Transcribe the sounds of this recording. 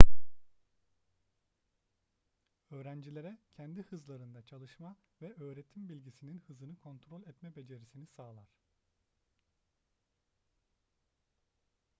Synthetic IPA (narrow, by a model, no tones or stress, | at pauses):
ø̞ːɾænd͡ʒilʲe̞ɾɛcʰɛnd̪ihɯzlˠaɾɯnd̪at͡ʃʰalˠɯʃmavɛʔø̞ːɾe̞t̪ʰimbilʲɟisininhɯzɯnɯkʰo̞nt̪ɾo̞lʲɛt̪mɛbe̞d͡ʒe̞ɾisinisaːlˠaɾ̥